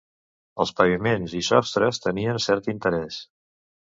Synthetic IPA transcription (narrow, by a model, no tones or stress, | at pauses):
əlˠspəβimenzisɔst̪ɾəst̪əniənsɛɾt̪int̪əɾɛs